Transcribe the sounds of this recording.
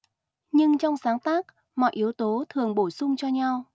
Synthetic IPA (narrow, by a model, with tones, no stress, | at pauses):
ɲɨ˧ŋt͡ɕɔ˧wŋ͡msaː˨˦ŋt̪aː˦˥k̚ | mɔ̰˧˨jʔi˨˦əwt̪o˨˦t̪ʰɨ˨˩əŋɓo˧˩jsʊ˧ŋ͡mt͡ɕɔ˧ɲa˧w